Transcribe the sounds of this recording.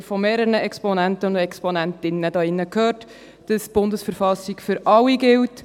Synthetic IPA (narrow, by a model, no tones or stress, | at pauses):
fɔmeːɾəɾəɛkspɔnæntəɛkspɔnæntɪnːədɑːɪnːəkʰhøːt | d̥ɑsb̥ʊndəsfəɾfɑsːiɡfʏɾɑwiɡɪlt